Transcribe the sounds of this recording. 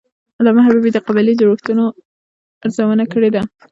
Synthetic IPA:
lɑmaɦababed̪əqabalid̪əɾuxt̪uno | aɾzawənakəɽed̪a

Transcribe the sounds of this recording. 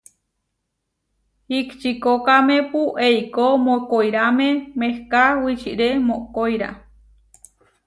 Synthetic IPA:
hikt͡ʃikokamẽpuʔeikomokojɾamẽmehkawit͡ʃḭʔɾemoʔkojɾa̰

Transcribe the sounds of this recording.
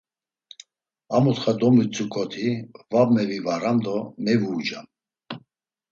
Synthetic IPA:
amut̪χad̪ɔmit͡sʼukʰʼɔt̪ʰivabmɛvivaɾamd̪ɔmɛvuːd͡ʒam

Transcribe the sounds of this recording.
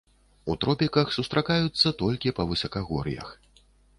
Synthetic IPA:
ut̪ɾɔpʲikɐxsust̪ɾʔakajut̪sːɐt̪ɔlʲkʲipɐvɨsɐkaɣɔɾɨ̰jɐ̰x

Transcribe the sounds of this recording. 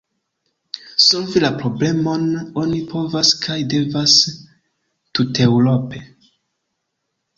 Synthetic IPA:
so̞lvilapɾo̞ble̞mo̞no̞nipʰo̞vaskʰajde̞vas | tute̞wɾo̞pe̞

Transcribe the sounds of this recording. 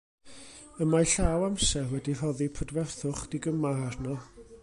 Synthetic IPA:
əmajɬawamsɛwɛdirɔðipʰədvɛrθʊχd̥iɡəmaarnɔ

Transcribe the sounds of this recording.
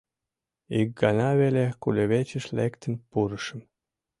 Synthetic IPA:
ik̚ɡɑnɑβelʲekulʲeβet͡ɕə̆ʃlekt̪ə̆npuɾəʃə̆m

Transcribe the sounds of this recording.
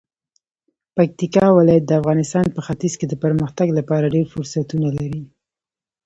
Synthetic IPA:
pak̚t̪ikɑwɪlɑjat̪̚d̪əafɣɑnɪst̪ɑnpəxat̪izked̪əpəɾməxt̪aɡlapɑɾaɖeɾfʊɾsat̪unalaɾi

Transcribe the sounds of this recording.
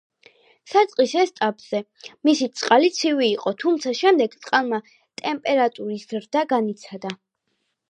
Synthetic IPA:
sat̪sʼqʼisɛst̪ʼapʼz̥ɛ | misit̪sʼqʼalit̪sʰiviːqʼɔt̪ʰumt̪sʰaʃɛmd̪ɛɡ̥t̪sʼqʼalˠma | t̪ʼɛmpʼɛɾat̪ʼuɾiszɾd̪aɡanit̪sʰad̪a

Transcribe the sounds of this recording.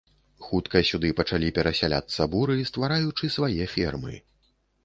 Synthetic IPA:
xut̪kɐsʲud̪ɨpɐt͡ʂalʲipʲɛɾɐsʲalʲa̰t̪sːɐbuɾɨst̪vaɾajut͡ʂɨsvajɛfʲɛrmɨ̰

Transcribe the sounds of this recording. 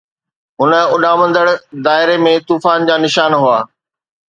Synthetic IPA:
ɦʊnə̆ʊɗaʋɐ̃nd̪əɽd̪aːɦɪɾemẽt̪uːfaːnd͡ʑaːnɪʃaːnɦuaː

